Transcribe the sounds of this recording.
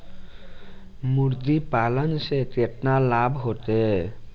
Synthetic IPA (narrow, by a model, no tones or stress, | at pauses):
muɾd̪ipalanʃet̪eʈnalabʱɦot̪e